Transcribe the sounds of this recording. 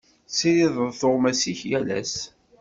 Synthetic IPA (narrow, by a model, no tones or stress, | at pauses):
siliðˤəðθoʁmæsiçjælæ̰s